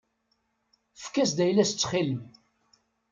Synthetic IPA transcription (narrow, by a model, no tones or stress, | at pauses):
fkæsd̪æjlæst͡sːχiləm